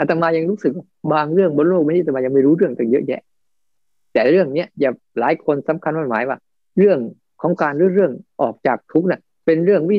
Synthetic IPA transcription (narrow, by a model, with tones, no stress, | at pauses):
ʔa˨˧t̪a˧maː˧ja˧ŋɾuː˦˥sɯ˨k̚wa˧˩baː˧ŋɾɯ˥˩əŋbo˧nloː˥˩k̚niː˦˧t̪a˧maː˧ja˧ŋma˥˩jɾuː˦˥ɾɯ˥˩əŋt̪a˧˩ŋjɤ̰˦˥ʔjɛ̰˦˥ʔ | t̪ɛː˨˩ɾɯ˥˩əŋni˦˥əjaː˨˩ | laː˨˦jkʰo˧nsa˨˩˦mkʰa˧nmaː˧˩maː˨˩˦jwaː˧˥˩ | ɾɯ˥˩əŋ | kʰɔː˩˦ŋkaː˧nɾɯː˧˦ɾɯ˥˩əŋʔɔː˨˩k̚t͡ɕaː˨˩k̚t̪ʰu˦˥k̚na˧˩ | pe˧nɾɯ˥˩əŋwi˦˥˩